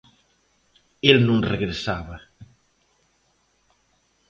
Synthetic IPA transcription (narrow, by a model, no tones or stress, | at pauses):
elnũŋreɣɾesaβɐ